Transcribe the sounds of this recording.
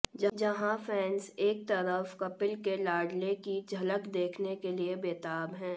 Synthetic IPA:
d͡ʒɐd͡ʒɐɦãfʰɛːnseːk̚t̪ɐɾəfkɐpɪlkelaːɖlekid͡ʒʱɐləkd̪eːkʰnekeliebeːt̪aːbɦɛ̃ː

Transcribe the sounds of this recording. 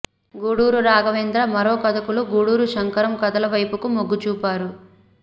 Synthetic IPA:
ɡuːɽuːɾuɾaːɡɐʋeːnd̪ɾɐmɐɾoːkɐd̪ɐkuluɡuːɽuːɾuʃɐŋkɐɾɐmkɐd̪ɐlɐʋɐjpukumoɡːut͡ʃuːpaːɾu

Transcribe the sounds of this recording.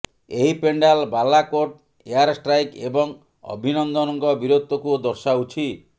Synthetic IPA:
eɦipeɳɖalbalakoɾʈ | eaɾsʈɾajkebɔŋ | ɔ̰bʱinɔnd̪ɔnɔŋkɔbiɾot̪ːɔkud̪ɔɾsaut͡ʃʰi

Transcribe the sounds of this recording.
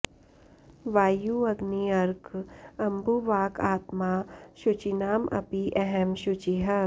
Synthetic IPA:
ʋaːjuɐɡniɐɾkɐmbuʋaːkaːt̪maːʃʊt͡ʃinaːmʔɐ̰piʔɛɦɛmʃʊt͡ʃiɦɐ

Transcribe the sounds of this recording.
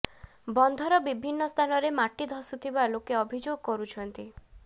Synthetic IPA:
bɔnd̪ʱɔɾɔbibʱinːɔst̪ʰanɔɾemaʈid̪ʱɔsut̪ʰibalokeɔbʱid͡ʒoɡkɔɾut͡ʃʰɔnt̪i

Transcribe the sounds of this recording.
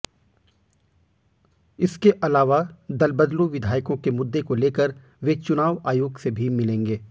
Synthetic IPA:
ɪskeʔɐlaːʋad̪ɐlbəd̪loʋɪd̪ʱaːjkõkemʊd̪ːekoleːkəɾ | ʋet͡ʃʊnaːʋaːjoːɡsebʱimɪlẽːŋɡeː

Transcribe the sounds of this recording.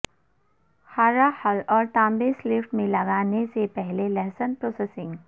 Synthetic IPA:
haːɾahɐlɔːɾt̪ãːmbeslɪfʈmẽlɐɡaːnesepɛɦlelɛːsənpɾoːsesɪ̃ŋɡ

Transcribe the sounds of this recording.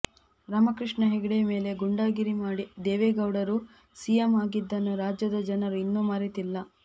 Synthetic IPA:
ɾaːmɐkɾiʂɳɐɦɛɡiɽejɐme̞ːle̞ɡuɳɖaːɡiɾimaːɽid̪eːʋeːɡɐwɽɐɾu | sijɐmaːɡid̪ːɐnːuɾaːd͡ʒjɐd̪ɐd͡ʒɐnɐɾuinːuːmaːɾit̪ilːɐ

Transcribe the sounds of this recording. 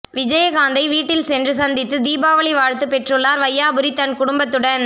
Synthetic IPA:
ʋɪd͡ʒɐjɐɡaːnd̪ɐɪʋiːʈːɪlsɛndrɯsɐnd̪ɪt̪ːɯd̪iːbaːʋɐɭiʋaːɻt̪ːɯpɛʈrɯlːaːɾʋɐjːaːbɯɾit̪ːɐnkʊɽʊmbɐt̪ːɯɽɐn

